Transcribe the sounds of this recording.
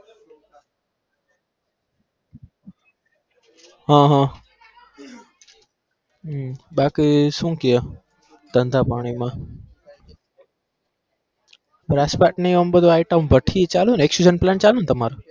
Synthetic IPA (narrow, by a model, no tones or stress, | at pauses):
ɦãɦã | bakisũkijə | d̪̥ənd̪ʱapaːɽ̃imã | pɾaspaʈnəjəmbəd̪ʱoajʈəmbʱəʈʰit͡ʃalũneksud͡ʒənplant͡ʃalũːnt̪əmaɾu